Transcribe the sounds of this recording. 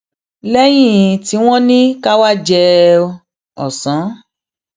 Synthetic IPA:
lɛ˦j̃ĩ˦˨ti˨˦w̃ɔ̃˦nĩ˦ka˦wa˦d͡ʒɛ˧ | ɔ̰˨sã˨˦

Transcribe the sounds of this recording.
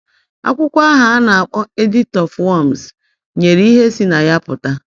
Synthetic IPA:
a̰˦kʷʊ˦kʷa˦ɦa˨a˦na˨a˨k͡pʊ˦e˦di˦tɔ˨fwɔ˦˨m̩˨s | ɲe˨ɾi˦ɦe˦si˦na˨ja˦pʊ˨ta˦

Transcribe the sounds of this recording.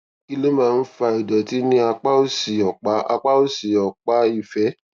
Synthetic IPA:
i˧le˦mãː˨˦˧n̩˦fa˧i˨dɔ˨ti˨˦nĩ˧˦a˧k͡pa˦o˦˨si˨ɔ˨k͡pa˨˦ʔa̰˧k͡pa˦o˦˨si˨ɔ˨k͡pa˨˦i˦˨fɛ˨˦

